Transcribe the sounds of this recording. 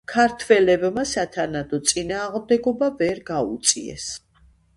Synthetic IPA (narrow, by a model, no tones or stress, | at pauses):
kʰaɾt̪ʰwɛlɛbmasat̪ʰanad̪ɔt̪sʼinaːʁmd̪ɛɡɔbavɛɾɡaut̪sʼiɛ̰s